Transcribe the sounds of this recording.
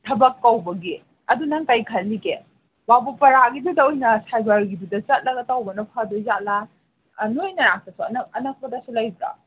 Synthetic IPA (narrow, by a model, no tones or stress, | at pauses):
tʰɐbɐkːawbɐɡi | ɐdunɐŋkajkʰɐlːike | babupɐɾaɡidudɐojnɐsajbaɾɡidudɐt͡ʃɐt̚lɐɡɐtawbɐnɐpʰadɔzat̚la | nojnɐɾaŋ̚sɐsuɐnɐɐnɐk̚pɐdɐsulajbɾa̰